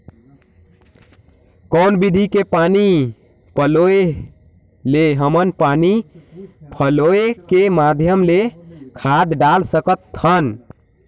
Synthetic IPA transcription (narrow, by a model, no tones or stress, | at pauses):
kənbid̪ʱikepani | pəloe | leɦəmənpani | pʰəloekemad̪ʱjəmlekʰad̪ɖalsəkət̪ʰːən